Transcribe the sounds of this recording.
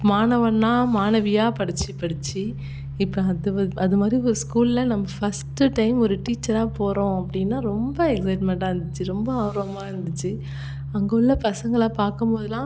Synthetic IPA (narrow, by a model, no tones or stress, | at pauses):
maːnɐʋɐnːaːmaːnɐʋɪjaːpɐɽɯt͡ʃːɯpɐɽɯt͡ʃːi | ɪpːõɐðɯɐðɯmaːd̪ɾiɔɾɯskuːllɐnɐmːɐfɐsʈɯʈɐɪmɔɾɯʈiːt͡ʃːɐɾaːpoːɾõːɐpːɐɽɪnːaːɾɔmbɐɛksɐɪʈmɛɳʈaːɾɯnd̪ɯt͡ʃːɯɾɔmbɐaːɾoɐmaːɪɾɯnd̪ɯt͡ʃːɯ | ɐŋɡɔɭːɐpɐsɐŋɡɐɭaːpaːɾkɯmpoːðɯlãː